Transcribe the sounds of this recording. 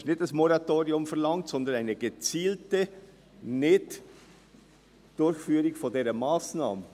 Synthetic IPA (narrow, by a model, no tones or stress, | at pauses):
ʃnɪtɑsmɔɾɑtoːɾiʊmfɛʁlɑŋtsɔnd̪ənaɪnəɡ̥ət͡siːltə | nɪt | d̥ʊɾçfyːɾɪkfɔdɛːɾəmɑːsnɑːmə